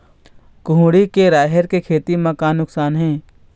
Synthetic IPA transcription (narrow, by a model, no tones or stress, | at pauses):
kʊɦɽikeɾaːɦəɾkekʰeːt̪imakaːnʊksaːnɦɛ̃ː